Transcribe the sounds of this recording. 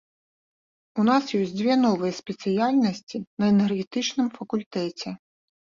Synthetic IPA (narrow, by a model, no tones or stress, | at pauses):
unasjɔsʲd͡zʲvʲɛnɔvɨjɛspʲɛt̪sɨjalʲnɐsʲt͡sʲinɐɛnɛrɣʲɛt̪ɨt͡ʂnɨmfɐkulʲt̪ɛt͡sʲɛ